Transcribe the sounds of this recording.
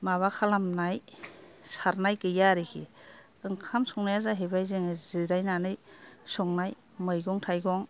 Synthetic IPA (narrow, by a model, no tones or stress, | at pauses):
maβakʰalamnaj | saɾnajkɯjaɾikʰi | ɯŋkʰamsɔŋnajazaɦebajzɯŋɯziɾajnanɯjsɔŋnaj | mɯjɡɔŋtʰajɡɔŋ